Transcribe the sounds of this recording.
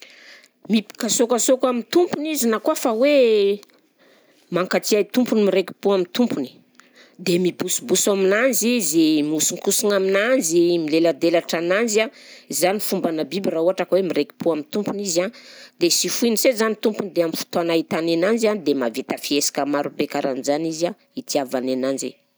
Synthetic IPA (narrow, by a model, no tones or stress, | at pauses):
mipi̥kasokasokamit̪umpunizinakuafawe | maŋkat͡siait̪umpunimiɾeki̥puamint̪umpuni̥ | d̪emipusubusaminanzizimusiŋkusinaminanzimilelad̪elaʈ͡ʂanand͡ʒiazanifumbanabibirauɦaʈ͡ʂakawemiɾeki̥puamint̪umpunizad̪esifuinisezanit̪umpunid̪eamifu̥t̪anait̪anenand͡ʒand̪emavet̪afiesḁkəmaɾubekaɾʔanizaniza | it̪iavanenand͡ʒḭ